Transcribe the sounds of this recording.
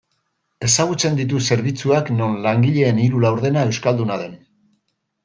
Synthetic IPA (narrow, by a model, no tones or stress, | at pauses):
e̞saɣ̞ut͡se̞nd̪it̪̬use̞ɾβ̞it͡suakno̞nlaŋɡiʎe̞ːniɾulawɾð̞e̞nae̞wskald̪unaðe̞n